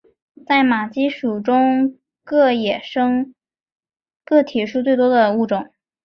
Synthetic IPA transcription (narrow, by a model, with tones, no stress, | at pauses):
t͡sa˥˩ɪma˨˩t͡ɕi˥ʂu˨˩ʈ͡ʂʊ˥ŋ | kɤ˥˩jɛ˨˩ʂɤ˥ŋ | kɤ˥˩t̪ʰi˨˩ʂu˥˧t͡swe˥˩ɪt̪̬wɔ˥d̪ə˨u˥˩ʈ͡ʂʊ˨˩˦ŋ